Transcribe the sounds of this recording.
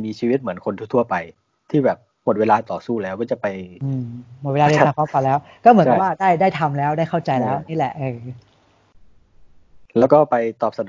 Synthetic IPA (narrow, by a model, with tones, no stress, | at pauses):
miː˧t͡ɕʰiː˧wi˦˥t̪̚mɯ˩˦ənkʰo˧nʰuː˥˩t̪ʰu˥˩ɐpa˧j | t̪ʰiː˥˩bɛː˨˩p̚mo˨˩t̪̚weː˧laː˧t̪ɔː˨˩suː˥˩lɛː˦˥wkɔː˥˩t͡ɕa˨˩pa˧jʔɯː˧mmo˨˩t̚weː˧lːde˧aː˧˩kʰɔː˦˥fa˧lɛː˦˥w | kɔː˥˩mɯ˩˦˨waː˥˩daː˥˩jdaː˥˩jt̪ʰa˧mlɛː˦˥wdaː˥˩jkʰa˥˩wt͡ɕa˧jlɛː˦˥wʔniː˦˥˨lɛ̰˨˩ʔɯː˧˩ | lɛː˦˥wkɔː˥˩pa˧jt̪ɔː˨˩p̚sa˧d